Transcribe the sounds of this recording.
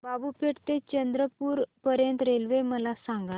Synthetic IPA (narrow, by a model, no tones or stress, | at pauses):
babupeʈt̪et͡ɕənd̪ɾəpuːɾpəɾjənt̪ɾelʋeməlasaŋɡa